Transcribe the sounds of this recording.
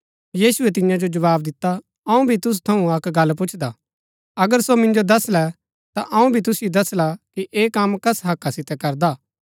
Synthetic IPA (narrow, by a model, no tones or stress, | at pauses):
jiːsʊɛt̪̬ɪ̃jãd͡ʒod͡ʒɐʋaːbd̪ɪt̪ːa | ɐũbʱit̪ʊs̬t̪ʰɐũɐkɡɐlːp̬ʊt͡ʃʰd̪a | ɐɡəɾsomɪ̃nd͡ʒod̪ɐslɛ | t̪aʔɐũbʱit̪̬ʊsjod̪ɐslakiʔeːkɐmkɐsɦɐkːasɪt̪ɛkɐɾd̪aː